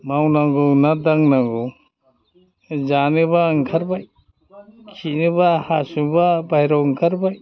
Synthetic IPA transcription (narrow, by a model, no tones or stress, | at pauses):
mawnaɡunadaŋnaɡu | zanɯbaŋkʰaɾbaj | kʰinɯbahasubabajɾawŋkʰaɾbaj